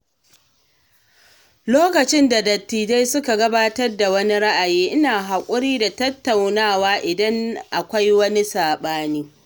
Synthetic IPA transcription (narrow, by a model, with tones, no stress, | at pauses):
loː˦kɐ˨t͡ʃɪ˦nda˨dɐ˨tːiː˨da˦jsʊ˦ka˨ɡɐ˦baː˦tɐ˦rda˨wɐ˦ni˦ɽa˦ʔa˨jiː˦ʔɪ˦naː˨ɦa˨kʷʼʊ˦ɽiː˦da˨tɐ˦tːa˨wnaː˦˨waː˦ʔɪ˨dɐ˦ŋʔa˨kʷa˦jwɐ˦ni˦saː˨ɓaː˦niː˦